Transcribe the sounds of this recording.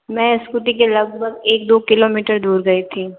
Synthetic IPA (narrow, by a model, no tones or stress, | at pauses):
mɛ̃ːɪskut̪̬ikelɐɡbʱəɡeːk̚d̪oːkɪloːmiːʈəɾd̪uːɾɡɐit̪ʰĩː